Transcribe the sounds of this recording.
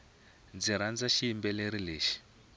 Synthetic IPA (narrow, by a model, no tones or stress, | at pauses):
d͡ziɾ̤and͡zaʃiːmbɛleɾileːʃi̥